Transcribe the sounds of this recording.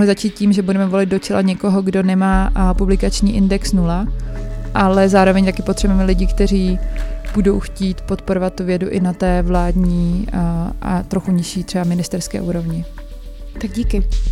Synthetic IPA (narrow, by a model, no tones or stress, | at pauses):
lɪzat͡ʃiːt̪̚ciːmʒɛbudɛmɛvo̞lɪd̪̚do̞t͡ʃɛla̰ɲɛko̞ɦoɡdo̞nɛmaːpublɪkat͡ʃɲiːʔɪndɛksnula | ʔalɛzaːɾo̞vɛɲt̪akɪpot̪r̥ɛbuɛmɛlɪɟɪkt̪ɛɾ̝iːb̥udo̞wxciːt̪po̞t̪po̞ɾovat̪t̪ːuvjɛduʔɪnat̪ɛːvlaːdɲiː | ʔa̰t̪ɾoxuɲɪʃiːt̪r̝̥ɛbamɪnɪst̪ɛɾskɛ̰ːʔuːɾo̞vɲɪ | t̪aɡɟikɪ